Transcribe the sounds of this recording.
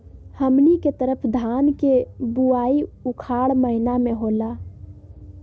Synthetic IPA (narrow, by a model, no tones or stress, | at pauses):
həmniket̪əɾəpʰd̪ʱaːnkebuaːiukʰaɽməɦinameɦola